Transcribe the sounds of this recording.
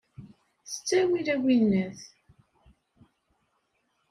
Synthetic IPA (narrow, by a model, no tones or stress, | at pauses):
θə̥t͡sːæwiɾæwinnæθ